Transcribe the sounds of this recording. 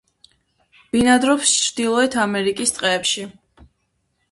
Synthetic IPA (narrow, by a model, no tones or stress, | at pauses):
b̥inad̪ɾɔpst͡ʃʰɾd̪̥ilˠɔɛt̪ʰamɛɾikʼist̪sʼqʼɛːpʃi